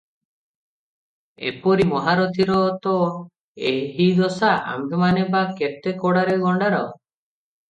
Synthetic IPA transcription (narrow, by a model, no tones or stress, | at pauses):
ḛpɔɾimɔɦaɾɔt̪ʰiɾɔt̪ɔ | eɦid̪ɔsaʔa̰mbʱemanebaket̪ekɔɽaɾeɡʱɔɳɖaɾɔ